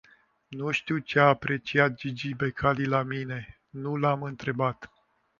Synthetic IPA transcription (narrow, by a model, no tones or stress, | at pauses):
nuʃt̪iwt͡ʃeaːpɾe̞t͡ʃiat̪̚d͡ʒid͡ʒibe̞kʰalilamine̞ | nulamɨnt̪ɾe̞bat̪